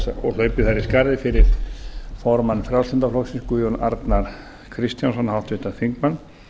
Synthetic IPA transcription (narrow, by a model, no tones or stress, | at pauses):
saɔ̰lœːɥpɪθaɾɪskaɾðɪfɪɾɪɾ̥fɔɾmanːfɾjawlsɪnt̪afloksinskujɔna̰ɾt̪naɾ | kʰɾɪst̪jans̬ɔnhal̥t̪ʏht̪aθiŋkmanː